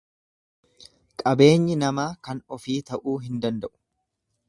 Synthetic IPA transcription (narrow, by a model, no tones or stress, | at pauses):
kʼɐbe̞ːɲːɪnɐmaːkɐnɔfiːt̪ɐʔuːɦɪnd̪ɐnd̪ɐʔʊ̥